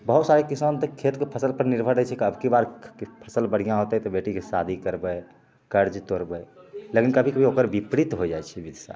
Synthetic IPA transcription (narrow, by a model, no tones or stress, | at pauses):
bəɦut̪saɾekisənt̪ekʰet̪kepʰəsəlpəɾniɾbʱəɾd͡ʒət͡ʃʰɛkiəbʱkibaɾkepʰəsəlbəɽ̤ijãɦot̪ɛt̪ɔbeʈikesad̪ʱikəɾbəj | kəɾd͡ʒt̪oɾbəlekinkəbʱikəbʱiokəɾbipɾit̪ɦod͡ʒajt͡ʃʰɛbid̪ʱsa̰